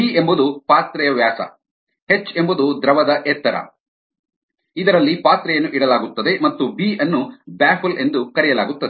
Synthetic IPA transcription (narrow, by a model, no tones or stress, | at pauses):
biːembud̪upaːt̪ɾɛjɐʋjaːsɐ̰ | he̞t͡ʃːe̞mbud̪ud̪ɾɐʋɐd̪ɐʔɛːt̪ːɐɾɐ̰ | id̪ɐɾɐlːipaːt̪ɾɐjɐnːuʔiɽɐlaːɡut̪ːɐd̪e̞mɐt̪ːubiːɐnːubaːfule̞nd̪ukɐɾɛjɐla̰ːɡut̪ːɐd̪e